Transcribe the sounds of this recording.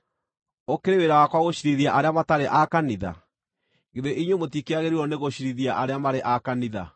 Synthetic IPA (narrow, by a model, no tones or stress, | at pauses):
okeɾeweɾawakwaɣoɕiɾiðiaʔaɾeamataɾeʔakaniða̰ | ɣeðeʔiɲwomotikeaɣeɾiɾɔneɣoɕiɾiðiaʔaɾeamaɾeʔakaniða̰